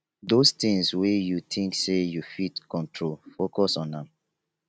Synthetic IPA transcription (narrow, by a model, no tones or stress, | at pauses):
dost̪ĩŋswejutʰĩŋksejufitkɔ̃ntʰɹolfokɔsɔ̃nãm